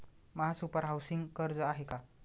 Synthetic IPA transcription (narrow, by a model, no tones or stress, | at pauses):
məɦasupəɾɦawsiŋɡkəɾd͡zəaɦeka